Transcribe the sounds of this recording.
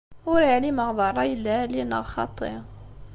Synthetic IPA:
wɾiʕliməɣd̪ˤɑɾˤɑjəlælinə̰ɣxɑ̰t̪ˤːə̰

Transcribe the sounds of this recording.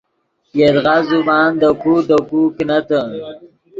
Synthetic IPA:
jed̪ɣazumɑːnd̪əkud̪əkuknat̪ə

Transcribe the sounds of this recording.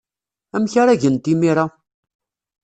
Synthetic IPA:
æmçaɾaʝənt̪imiɾˤa

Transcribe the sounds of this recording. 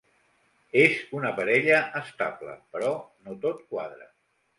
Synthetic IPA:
ezunəpəɾɛʎəʔːst̪ablə̰pəɾɔnot̪ot̪̚kwaðɾə

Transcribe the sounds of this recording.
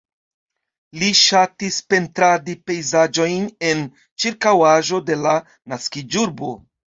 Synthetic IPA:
liʃatispe̞ntɾadipe̞jzad͡ʒo̞jne̞n | t͡ʃiɾkawaʒo̞de̞la | naskid͡ʒuɾbo̞

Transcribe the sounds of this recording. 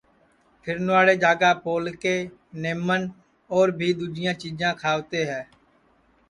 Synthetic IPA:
pʰɪɾnʊaːɽeːd͡ʒaːɡaːpoːlkeː | neːmən | ɔːɾbʱiːd̪uːd͡ʒɪjãːt͡ʃiːd͡ʒãːkʰaːʋt̪eːɦɛː

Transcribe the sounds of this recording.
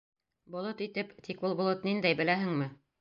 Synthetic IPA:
bŏlˠot̪it̪ɘpt̪ikulˠbŏlˠot̪nind̪æjbɘ̆læɦɘŋmɘ

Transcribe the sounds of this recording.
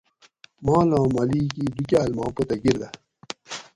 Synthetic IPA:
mãːlãːmɐliːkiːd̪ukʲaːlmãːpɐt̪ɐɡiɾd̪ɐ

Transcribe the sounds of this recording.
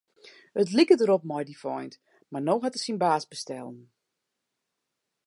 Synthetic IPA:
ətlikətəɾɔp̚mɔjdifɔjnt | marnoːɦatəsinbaːsbəstɛ̰lˠn

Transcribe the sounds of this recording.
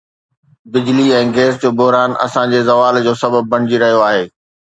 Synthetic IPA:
bɪd͡ʑliɛ̃ːɡeːsd͡ʑoːbʊɦɾaːnɐ̰sãd͡ʑeːzɐʋaːld͡ʑoːsɐbəb̚ːɐɽ̃ɪd͡ʑiɾɐɦijoaːɦeː

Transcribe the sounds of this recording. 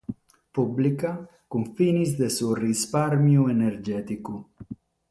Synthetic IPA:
publika | kuɱfinizd̪esurispaɾmjueneɾd͡ʒɛt̪iku

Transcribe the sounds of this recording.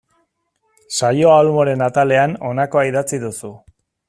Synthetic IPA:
sajo̞almo̞ɾe̞nat̪ale̞ano̞nako̞aiðat͡siðusu

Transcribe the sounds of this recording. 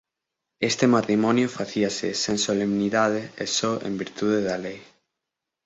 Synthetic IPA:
est̪emat̪ɾimɔnjʊfaθiasɪ̰sẽnsolemniðað̞eesɔʔḛ̃mbiɾt̪uð̞eðalej

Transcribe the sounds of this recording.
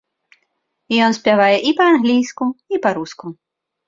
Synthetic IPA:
jɔnsʲpʲjavajɛʔipɐanɣlʲijskuipɐɾusku

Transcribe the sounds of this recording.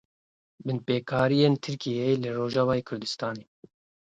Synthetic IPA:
bɨnpeːkʰɑːɾijeːnt̪ʰɨɾkijejelɨroːʒɑːvɑːjekʰʊɾd̪ɨst̪ɑːneː

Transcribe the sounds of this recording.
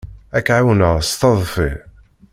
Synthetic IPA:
ækʕawnəʁst̪ɑðˤfi

